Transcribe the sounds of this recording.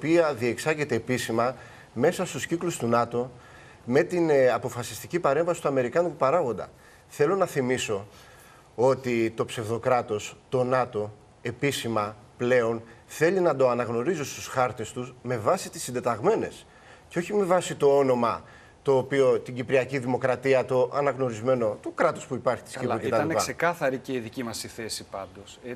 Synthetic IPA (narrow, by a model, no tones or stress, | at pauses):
piɐðie̞ksɐʝe̞t̪e̞ːpisimɐ | me̞sɐst̪usciklust̪unɐt̪o̞ | me̞t̪inɐpo̞fɐsi̥st̪icipɐɾe̞ɱvɐsi̥t̪uɐme̞ɾikɐnut̪upɐɾɐɣo̞nd̪ɐ̰ | θe̞lo̞nɐθimiso̞ | o̞t̪it̪o̞pse̞vðo̞kɾɐt̪o̞st̪o̞nɐt̪o̞ | e̞pisimɐple̞o̞nθe̞linɐd̪o̞ɐnɐɣno̞ɾizost̪usxɐɾt̪e̞st̪usme̞vɐsit̪i̥sind̪e̞t̪ɐɣme̞ne̞s | ceo̞çime̞vɐsit̪o̞o̞no̞mɐ | t̪o̞ːpio̞t̪iɟipɾiɐciðimo̞kɾɐt̪iɐt̪o̞ʔɐnɐɣno̞ɾizme̞no̞t̪ukɾɐt̪o̞spuipɐɾçi̥t̪iskipet̪ɐɐnɐsekɐθɐɾiceiðicimɐsiθesipɐnd̪o̞s